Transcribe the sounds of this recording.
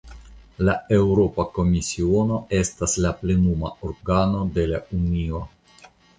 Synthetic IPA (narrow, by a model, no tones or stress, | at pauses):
lae̞wɾo̞pako̞misio̞no̞e̞staslaple̞numa̰oɾɡano̞de̞launio̞